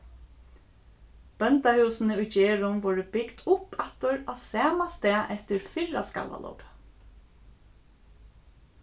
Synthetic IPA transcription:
b̥œnt̪ahʉːsnəʊjd͡ʒeːɹʊmʋɔːɹəbɪɡd̪ʊpat̪ɔɹasæːmast̪ɛːʔɛt̪ɪɹfɪɻa̰ska̰lʋa̰lɔ̰wp

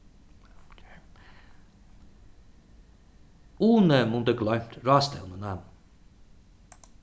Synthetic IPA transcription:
uːnəmund̪əɡlɔjm̥t̪ɾaːst̪ɛ̰lnənam

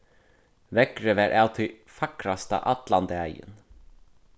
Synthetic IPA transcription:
ʋɛkɾəʋæːɾʔaːwt̪ʰɪ | fakɾast̪a̰ʔɑt̪land̪əæjə̰n

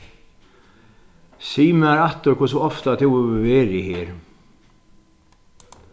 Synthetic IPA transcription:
siːmaɾat̪ʏɾkʰʊs̬ʊɔft̪at̪ʰɪwɛʋeːɾɪhɪːɾ

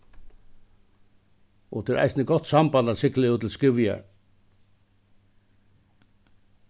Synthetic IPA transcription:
ɔ̰t̪ʰɪɛːɾʔa̰ɪjsnəɡɔt̪ːsambant̪asɪklɪuːt̪ʰɪlskɪʋɪja̰ɹ

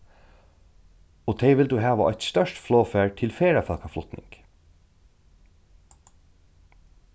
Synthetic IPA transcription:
ɔt̪ʰɛʋɪld̪ʉɦæːʋaʔɔ̰ʏt̪st̪œʃtfloːfæːɹt̪ʰɪlfeːɹafœlkaflʊt̪nɪ̰ŋk

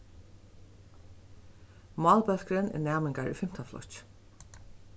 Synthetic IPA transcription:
mɑːlpœl̥kɾɪnɛ̰nɛaːmɪŋkaɹʏ̰fɪm̥t̪aflɔ̰t͡ʃ

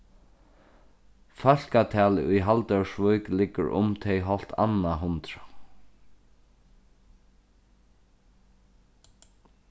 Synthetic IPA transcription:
fal̥kat̪ʰɛːlɪʔʊjɦalt̪œwʂʋœklɪkːə̰ɹʔʊ̰mt̪ʰejɦɔl̥t̪a̰nːaɦʊnt̪ɾa

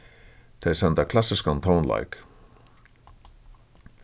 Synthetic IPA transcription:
t̪ʰejsɛnt̪akʰlasɪskant̪ʰaːnla̰jk

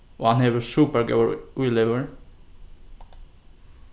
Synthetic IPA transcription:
ʔo̰ːhɑnheːʋəsʉːpəɾɡa̰ʊuleʋəɹ

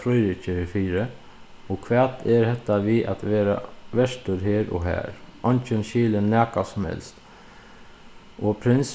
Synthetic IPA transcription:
fɾɔjɾɪt͡ʃəfiːɾə | ɔkʰʋɛːt̪ʰɛɾhɛt̪ːaʋiʔa̰t̪ʋeːɾa̰ʋɛʂt̪ʊɾɦeːɾɔ̰ɦɛ̰ːɾɔɲt͡ʃənʃiːlənːæːkasʊmhɛ̰lst̪ | ɔpʰɾɪns

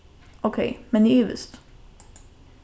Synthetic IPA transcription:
ʔokʰɛɪmɛnɪyːʋə̰st̪

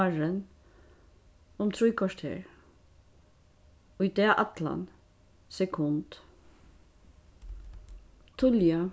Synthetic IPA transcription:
aɹən | ʊmt̪ʰɾujkʰɔʂt̪hḛɹ | ʊd̪ɛːʔat̪la̰n | sɛkʰʊnt̪ | t̪ʰʊlja

